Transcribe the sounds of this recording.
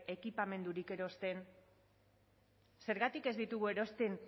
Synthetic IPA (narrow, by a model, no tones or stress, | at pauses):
e̞kipame̞nd̪uɾike̞ɾo̞st̪e̞n | se̞ɾɣat̪ike̞zd̪it̪uɣ̞ue̞ɾo̞st̪e̞n